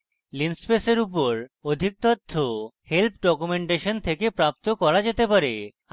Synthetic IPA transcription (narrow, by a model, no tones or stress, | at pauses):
linspeseɾup̬oɾod̪ʱik̚t̪ɔt̪ʰːohelp̚ʰɖɔkumeɳʈeʃont̪ʰekepɾap̚t̪okɔɾad͡ʑet̪epaɾe